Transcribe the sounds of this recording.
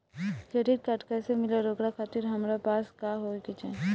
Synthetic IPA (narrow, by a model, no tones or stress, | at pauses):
keːɖɪɾ̚kɐʈkəsemɪleɾoːɡɾakʰaːt̪ɪɾɦɐmɾapaːskaɦoːkɪt͡ʃɛ̰̃